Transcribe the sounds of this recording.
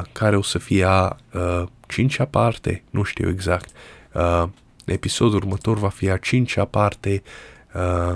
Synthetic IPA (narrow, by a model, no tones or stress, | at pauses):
kʰaɾeosəfiaət͡ʃint͡ʃapart̪ḛnʔuʃt̪ḭweɡzakt̪ | nʔepisod̪urmət̪orvafiat͡ʃint͡ʃapart̪eə